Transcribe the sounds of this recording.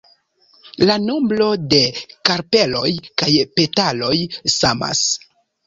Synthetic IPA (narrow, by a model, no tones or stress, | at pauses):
lanomblo̞de̞kaɾpe̞lo̞̰jkajpe̞talo̞jsama̰s